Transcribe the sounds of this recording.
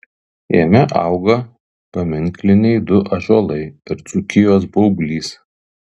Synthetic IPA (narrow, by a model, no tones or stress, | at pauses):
emʲɛʔɑ̰ˑʊɡɐ | pɐmʲɪŋʲˑklʲɪnʲɛɪd̪ʊʔɐʒoːlˠɐɪɐɾt̪sukʲɪjoːsbɐʊbʲlʲiːs